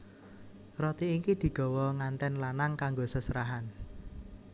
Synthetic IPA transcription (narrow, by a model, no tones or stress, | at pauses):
rɔt̪iːkid̪̥i̤ɡ̥ɔ̤wɔŋant̪ɛnlanaŋkaŋɡosəsəɾaɦan